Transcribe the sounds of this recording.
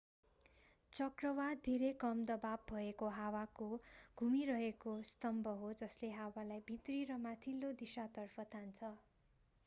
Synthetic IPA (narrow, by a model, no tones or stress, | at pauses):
t͡sʌkrʌwad̪ʱeɾekʌmd̪ʌbab̚bʱʌekoɦawakoɡʱumiɾʌɦekost̪ʌmbʱʌɦod͡zʌsleɦawalajbʱit̪riɾʌmat̪ʰilːod̪isat̪ʌrpʰʌt̪ʰant͡sʰʌ